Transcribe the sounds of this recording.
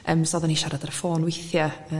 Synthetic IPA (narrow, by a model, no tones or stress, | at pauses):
ʔəmsɔðanhiʃaɾadarfoːnwɪθjaə